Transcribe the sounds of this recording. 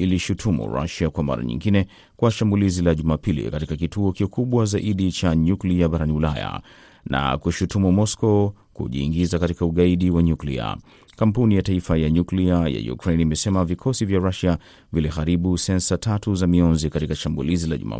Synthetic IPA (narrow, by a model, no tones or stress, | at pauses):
iliʃutʰumṵɾa̰ʃakwama̰ɾa̰ɲḭ̃ŋɡinɛ | kwaʃambulizilaʄumapilḭkatikakituɔkikuɓwazaʔiɗit͡ʃaɲukliaɓaɾaniulaja̰ | na̰kuʃutumumɔskɔ | kṵʄḭːŋɡizakatikauɠaiɗiwaɲuklḭa̰ | kampunijataifajaɲukliaja̰jṵkɾenimɛsɛmavikʰɔsivjaɾaʃa | vilixaɾiɓusɛnsatʰatuzamiɔnzikatikaʃambṵlizilaʄṵma̰